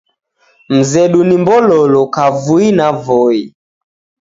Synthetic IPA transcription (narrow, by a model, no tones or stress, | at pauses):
m̩zɛɗunimbɔlɔlɔkavuinavɔi